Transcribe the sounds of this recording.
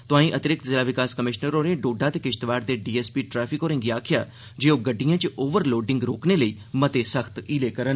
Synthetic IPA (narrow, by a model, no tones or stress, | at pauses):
t̪ʊãːĩːʔət̪ɪɾɪk̚t̪zɪlaːʋɪkaːskəmɪʃnəɾoːneɖoːɖat̪ekɪʃt̪ʋaːɾd̪eːɖiːɛːspiːʈɾɛːpʰɪkoːɾɪ̃ŋɡiaːkʰɪja̰ː | d͡ʒeːoːɡəɖːijãːt͡ʃoːʋəɾloːɖɪ̃ŋɡɾoːkneləiː | mət̪esəxʰt̪iːleːkəɾən